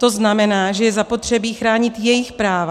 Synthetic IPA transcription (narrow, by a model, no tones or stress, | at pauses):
t̪o̞znamɛnaːʒɛjɛzapo̞t̪r̝̥ɛbiːxɾaːɲɪt̪jɛjɪxpɾaːva